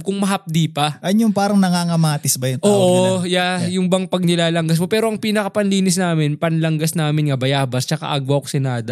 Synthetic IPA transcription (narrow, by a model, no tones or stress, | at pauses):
kʊŋmɐɦɐp̚d̪iːpɐɐnjʊŋpaːɾɐŋnɐŋaːŋɐmaːt̪ɪsbɐjʊŋtʔoːʔojajʊŋbɐŋpɐɡ̚nɪlaːlɐŋɡɐs̬mopɛːɾo̞ʔɐŋpiːnɐkɐpɐnliːnɪsnaːmɪnpɐnlɐŋɡɐsnaːmɪnŋɐbɐjaːbɐst͡ʃɐka̰ʔɐɡwɐkosɪnaːd̪ɐ